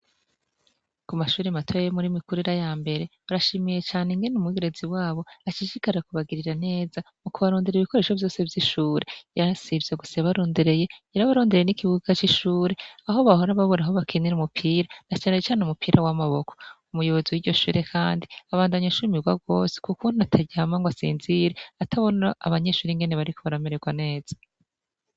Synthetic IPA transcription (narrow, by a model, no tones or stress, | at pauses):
kumaʃuːɾematʰojemuɾimikuɾiɾajaːmbe̞ɾe̞βaɾaʃimije̞t͡ʃaːneŋɡenumwiɡiɾeziwaːβo̞at͡ʃiʃikaɾakuβaɡiɾiɾane̞ːza | mukuβaɾoːndiɾiβiko̞ɾe̞ːʃo̞vjo̞ːse̞vjiʃuːɾe̞jasivjeɡusaβaɾoːndeɾe̞je̞eɾaβaɾo̞ːndeɾeenikiβuɡat͡ʃiʃuːɾe̞aɦo̞βaho̞ɾaβaβoɾaɦoβakʰiniɾumupʰiːɾanat͡ʃaːne̞t͡ʃaːnumupʰiːɾʔawamaβo̞ko̥umujo̞βo̞ziwiɟo̞ʃṵːɾe̞kʰaːndiaβaːndaɲaʃumiɡwab̚ɡo̞ːse̥kukunuatʰaɟiamaŋɡwasḭːnziɾe̞atʰaβo̞naa̰βaɲe̞ʃuːɾiŋɡe̞neβaɾikʰo̞βaɾameɾeɡwane̞ːz̥a